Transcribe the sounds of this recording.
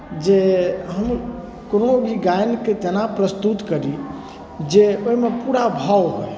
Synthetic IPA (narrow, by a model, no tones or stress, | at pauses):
d͡ʒeɦəm | konobʱiɡajnket̪enapɾəst̪ut̪kəɾi | d͡ʒeoimepuɽabʱawɦɛ